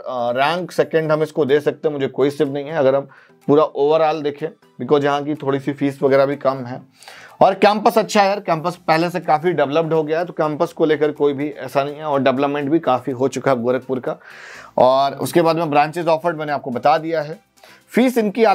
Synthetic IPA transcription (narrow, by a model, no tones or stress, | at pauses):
ɾɛ̃ːŋksɛkə̃ɳɖɦɐ̃mɪskod̪eːsɐk̚t̪ẽɦɛ̃mʊd͡ʒʱekoːisɪpnɐɦĩɦɛɐɡəɾɐm | puːɾaʔoːʋəɾaːld̪eːkʰẽː | bɪkɔːzjɐɦãk̬it̪ʰoːɽisifiːsʋɐɡɛːɾabʱikɐmɦɛː | ɔːɾkɛ̃ːmpəsɐtːʃʰaɦɛjəɾkɛ̃ːmpəspɛɦlesekaːfiɖɛʋləp̚ɖɦoɡɐjaɦɛt̪okɛ̃ːmpəskoleːkəɾkoːibʱiʔɛ̰ːsanɐɦĩɦɛɔːɾɖɛʋləpmẽɳʈbʱikaːfiɦot͡ʃʊkaɦɛɐɡʊɾək̚pʊɾkaɔːɾʊ̰skebaːd̪mẽbɾãːɲt͡ʃɪzɔːfəɾmɛ̃ːneaːp̚kobɐt̪ad̪ijaɦɛː | fiːsɪnkiaː